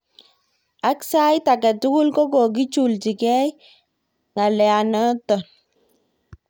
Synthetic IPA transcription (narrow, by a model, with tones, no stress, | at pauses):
a˦ksa˦jta˨kɛ˨tʊ˦kʊ˦lkɔ˦k̬ɔ˨k̬i˦t͡ʃu˨lt͡ʃi˨kɛ˦j | ŋa˨lɛa˨nɔ˦tɔ˨n